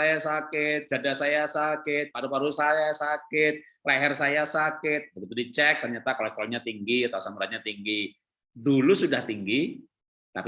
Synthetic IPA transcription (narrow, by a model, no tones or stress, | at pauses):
ajasakɪt̪̚d͡ʒadasajasakɪt̪̚paɾupaɾusajasakɪt̪̚ | laɦɛrsajasakɪt̪̚bəɡit̪udit͡ʃɛk̚t̪ərɲat̪akalost̪ɾoɲat̪iŋɡiat̪awsambɾaɲat̪iŋɡi | dulusudaht̪iŋɡi | t̪a̰k